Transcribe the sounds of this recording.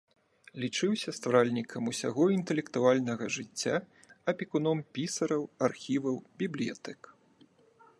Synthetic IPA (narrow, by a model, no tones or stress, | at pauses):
lʲit͡ʂɨwsʲɐst̪vɾalʲnʲikʰɐmusʲa̰ɣɔint̪ɛlʲɛkt̪ualʲnɐɣɐʐɨt͡sʲːa | ɐpʲikunɔmpʲisɐɾɐwarxʲivɐwbʲiblʲija̰t̪ɛk